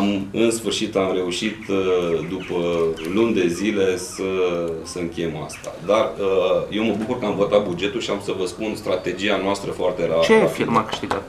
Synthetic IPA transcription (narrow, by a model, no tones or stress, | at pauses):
mɨnsfɨrʃit̪amɾe̞uʃit̪d̪upəlund̪e̞zile̞səsəɨŋkʲe̞jema̰st̪a̰d̪arəje̞wməbukurkəamvo̞t̪at̪̚bud͡ʒe̞t̪ulʃiamsəvəspunst̪ɾat̪e̞d͡ʒianoast̪ɾəfoart̪e̞ɾeat͡ʃeafirmakɨ̥ʃt̪iɡa̰t̪